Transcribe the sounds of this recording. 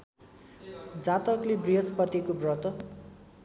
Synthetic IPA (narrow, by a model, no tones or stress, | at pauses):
d͡zãt̪ʌklebriɦʌspʌt̪ikobrʌt̪ʌ